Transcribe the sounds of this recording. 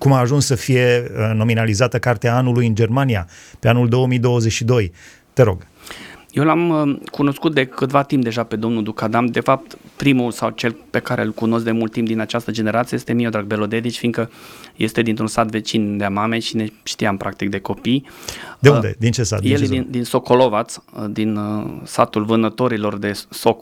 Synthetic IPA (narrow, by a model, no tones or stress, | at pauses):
kumaːʒunsːəfije̞no̞minalizat̪əkart̪eaanulujɨnd͡ʒe̞rmanijape̞anuld̪o̞womijd̪o̞wəzet͡ʃʲʃid̪o̞j | t̪e̞ɾo̞̰ɡ̥ | je̞wlaməkuno̞skut̪̚d̪e̞kɨt̪vat̪imp̚d̪e̞ʒape̞d̪o̞mnud̪ukad̪amd̪e̞fap̚t̪pɾimulsawt͡ʃe̞lpe̞kaɾḛɨlkuno̞s̬t̚d̪emult̪ːimp̚d̪inat͡ʃast̪əd͡ʒe̞ne̞ɾat̪siəjest̪e̞miod̪ɾaɡ̚be̞lo̞d̪e̞d̪it͡ʃʲfinkəje̞st̪ed̪int̪ɾunsat̪ve̞t͡ʃind̪eamame̞ʃine̞ʃt̪iampɾʔak̚t̪ikd̪e̞ko̞pijd̪eund̪e̞̰d̪int͡ʃesa̰t̪jelind̪inso̞kʰolo̞vat̪sd̪insat̪ulvɨnət̪o̞ɾilo̞rd̪e̞sok